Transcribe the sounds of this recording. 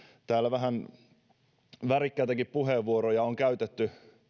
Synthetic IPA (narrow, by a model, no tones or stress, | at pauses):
t̪æːlːæʋæɦæn | ʋærikːæːt̪ækippuheʋːuoɾojɑoŋkæyt̪et̪ːy